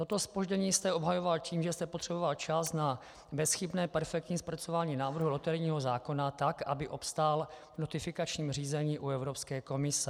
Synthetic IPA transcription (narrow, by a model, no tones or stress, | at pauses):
t̪o̞t̪o̞spo̞ʒɟɛɲiːst̪ɛo̞bɦajo̞valciːmʒɛst̪ɛpot̪r̝̥ɛbo̞valt͡ʃasna | bɛsxɪpnɛːpɛɾfɛk̚t̪ɲiːspɾatt͡so̞vaːɲiːnaːvr̩ɦulot̪ɛɾɲiːɦo̞zaːko̞nat̪akʔa̰bɪʔo̞pst̪alvnot̪ɪfɪkat͡ʃɲiːmr̝iːzɛɲiːʔuɛvɾo̞pskɛːko̞mɪsɛ